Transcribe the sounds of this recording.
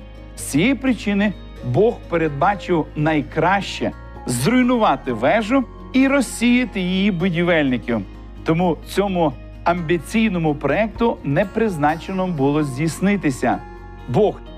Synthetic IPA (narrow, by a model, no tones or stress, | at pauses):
sʲijipɾɪt͡ʃɪnɪ | bɔxpeɾed̪̚bɑt͡ʃɪwnɐjkɾɑʃt͡ʃɛ̰ | zɾʊjnʊʋɑt̪ɪʋɛʒʊ | iɾɔsʲijɐt̪ɪjijibʊdʲiʋɛlʲnɪkʲɪw | t̪ɔmut͡sʲɔmʊ | ɐmʲbʲit͡sʲijnɔmʊpɾɔɛk̚t̪ʊnɛpɾɪznɑt͡ʃenɔbʊlˠɔzʲdʲisnɪt̪ɪsʲɐ̰ | bɔx